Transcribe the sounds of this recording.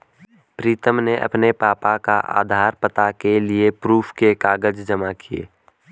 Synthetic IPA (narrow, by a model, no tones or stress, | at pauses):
pɾiːt̪əmneʔɐ̰pnepaːpaka̰ʔa̰ːd̪ʱaːɾpət̪akeliepɾuːpʰkekaːɡəd͡ʒd͡ʒəmakʰiḛː